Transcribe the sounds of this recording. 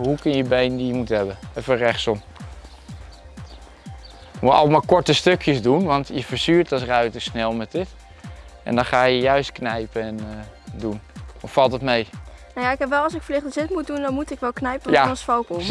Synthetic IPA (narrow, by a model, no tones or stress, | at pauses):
ɦukənəjəbejndijəmutɦɛbəɛfərɛχsɔ | muɑ̰lˠmaːkɔɹtəstøkʰjəzdunʋɑntjəfəɹsyːɹtɑs̬rœɥtəsnɛlˠmɛtdɪt | ʔɛ̰ndɔnχaːjəjœɥstknɛjpəɛndunɔffɑlˠtətmejnowjaɪkɦɛpʋɛlˠɑsɪkfəlɪχtəzɪtmut̚dundɔnmutɪkʋɛlˠknɛjpəjasfowk